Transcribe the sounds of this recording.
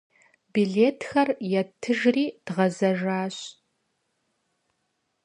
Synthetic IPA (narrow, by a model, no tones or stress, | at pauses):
biɮeːtʰxɐrjɛtʰɨʒriːd̥ʁɐzɐʒaːɕ